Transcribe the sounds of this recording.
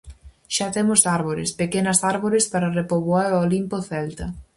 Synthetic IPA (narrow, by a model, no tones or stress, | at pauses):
ʃat̪emʊsaɾβoɾɪ̰spekenɐsaɾβoɾespaɾɐrepoβoaɾoolimpoθɛlt̪ɐ